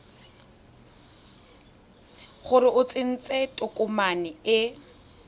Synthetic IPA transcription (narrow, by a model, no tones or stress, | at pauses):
χʊɾɪʔʊt͡sʼɪn̩t͡sʼetʼʊkʼʊmanɪɪ